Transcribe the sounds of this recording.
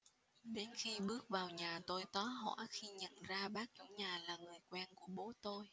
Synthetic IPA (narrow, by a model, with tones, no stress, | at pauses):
ɗe˨˦nxi˧ɓɨ˦˥ək̚vaː˨˩wɲaː˨˩t̪o˧jt̪ɔ˨˦ɦɔ̰˧˥xi˧ɲə̰˧˨nzaː˧ɓaː˦˥k̚t͡ɕʊ̰˧˥ŋ͡mɲaː˨˩laː˨˩ŋɨ˨˩əjkwɛ˧nku˧˩əɓo˨˦t̪o˧j